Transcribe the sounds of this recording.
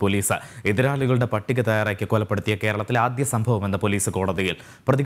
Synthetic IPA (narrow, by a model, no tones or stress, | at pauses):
po̞liːsɨiðiɾaːɭuɣɐɭuɽe̞pɐʈːiɣʲɐt̪ɐjaːɾaːkʲːɨkolɐpːeɽut̪ːijɐke̞ːɾɐɭɐt̪ːilaːd̪jɐsɐmbʱɐʋɐme̞nːɐpo̞liːsɨko̞ːɽɐðɐjil | prɐði